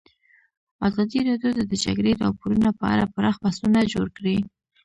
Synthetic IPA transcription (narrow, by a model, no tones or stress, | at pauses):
azɑd̪iɾɑdjot̪ad̪əd͡ʒa̰ɡɾeɾɑpoɾunapəa̰ɾapəɾɑxbast̪unad͡ʒoɾkɽi